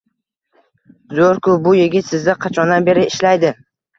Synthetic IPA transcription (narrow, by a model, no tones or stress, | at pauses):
zoɾkʊbʊjeɡʲɪt̪sɪzd̪ɪqʰɑt͡ʃʰɒnd̪anbe̞ɾɪɪʃlajd̪ɪ